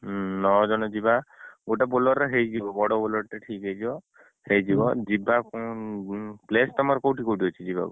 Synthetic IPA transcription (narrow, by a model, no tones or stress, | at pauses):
nɔd͡ʒɔnɔd͡ʒibaoʈabolɔɾeɦejd͡ʒibɔbɔɽɔbulɔɾʈeʈʰikejd͡ʒibɔ | hejd͡ʒibɔd͡ʒibakɔ | plest̪ɔmaɾɔkowʈikowʈiɦɔt͡ʃʰid͡ʒiba̰ku